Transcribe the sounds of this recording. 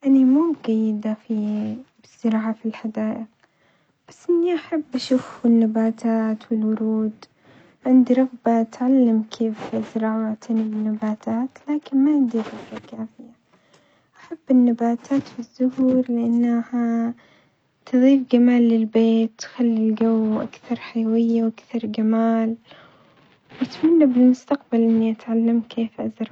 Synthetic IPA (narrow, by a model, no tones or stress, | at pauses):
ʔanimuːɡajːɪd̪afibɪz̥ːɪɾɑːʕafilħad̪aːʔɪq | b̥asːʔɪnːiʔaħabːʔaʃuːfɪnːabaːt̪ʰaːt̪wɪlwʊɾuːd̪ | ʕɪnd̪iɾˤɑɣbat̪ʕalːamkʰeːfzɪɾˤɑːʕat̪ʰanɪbɪnːabaːt̪ʰaːt̪laːkɪnmaʕɪnd̪iɾɑɣbakaːfɪja | ʔaħabːɪnːabaːt̪ʰaːt̪fizːʊhuːɾlɪʔanːaha | t̪ɨðˤiːfɡamaːlːɪlbeːt̪ːxalːɪlɡawːʔa̰kθɑɾˤħajawɪjːawʔakθɑɾˤɡamaːl | wʔat̪manːabɪlmʊst̪aqbalʔɪnːiʔat̪ʕalːamkeːfʔazɾˤɑ